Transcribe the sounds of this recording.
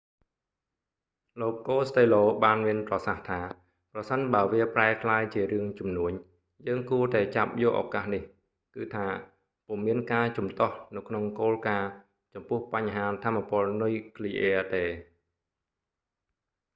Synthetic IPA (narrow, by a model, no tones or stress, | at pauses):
loːkːoːst̪eːloːɓaːnmiənprɑsaht̪ʰaː | prɑsənɓaəʋiəpraɛkʰlaːjt͡ɕiəɾɨəŋt͡ɕumnuəɲ | jəːŋkuət̪aɛt͡ɕap̚jʊ̆əʔa̰ːkaːhnih | kɨːt̪ʰaː | pŭəŋmiənkaːt͡ɕumt̪ŏəhnɨwkʰnoŋkoːlkaː | t͡ɕɑmpʊ̆əhpaɲɦaːt̪ʰamːapʊ̆əlnujkʰliʔɛːət̪eː